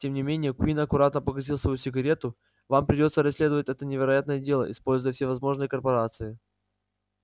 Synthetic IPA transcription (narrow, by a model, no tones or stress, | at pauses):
tʲemnʲɪmʲenʲɪjəkʲinɐkʊɾat̪nəpəɡɐzʲilˠsvɐjusʲɪɡɐɾʲe̞t̪ʊ | vampɾʲɪdʲo̞t̪səɾɐsʲlʲe̞d̪əvətʲɛt̪ənʲɪvʲɪɾɐjat̪nəjədʲe̞lˠə̰ʔɪspo̞lʲzʊjəfsʲevɐzmo̞ʐnɨjəkərpɐɾat̪sɨɪ